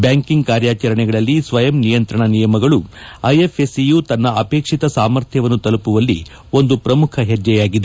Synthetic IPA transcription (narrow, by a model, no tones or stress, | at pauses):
bjaːŋkiŋɡkaːɾjaːt͡ʃɐɾɐɳɛɡɐɭɐlːisʋɐjɐmnijɐnt̪ɾɐɳɐnijɐmɐɡɐɭuɐjefʰesijuːt̪ɐnːɐʔɐpeːkʂit̪ɐsaːmɐɾt̪ʰjɐʋɐnːut̪ɐlupuʋɐlːḭ | o̞nd̪upɾɐmukʰɐɦed͡ʒːɛjaːɡid̪e